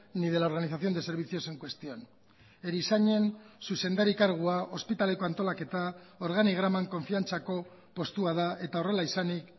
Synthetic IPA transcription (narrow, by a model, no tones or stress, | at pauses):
nið̞e̞lao̞ɾɣaniθaθio̞nd̪e̞se̞ɾβ̞it͡sio̞se̞ŋkwe̞st̪io̞n | eɾisaɲe̞nsuse̞nd̪aɾikaɾɣ̞uaʔo̞spit̪ale̞ko̞ant̪o̞lake̞t̪ao̞ɾɣaniɣ̞ɾamaŋko̞ɱfiant͡sako̞ | po̞st̪uað̞ae̞t̪ao̞re̞laisanik